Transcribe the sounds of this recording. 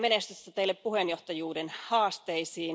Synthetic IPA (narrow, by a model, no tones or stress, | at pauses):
menest̪yst̪ɑt̪eilːeppuhenjo̞ht̪ɑjuːdenhɑːst̪e̞isiːn